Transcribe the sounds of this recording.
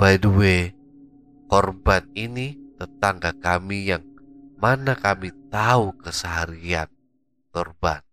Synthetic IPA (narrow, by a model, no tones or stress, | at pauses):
b̥aidue | kɔrbaninit̪ət̪aŋɡakamijaŋ | manakamit̪aukəsəɦaɾian | kɔrba̰n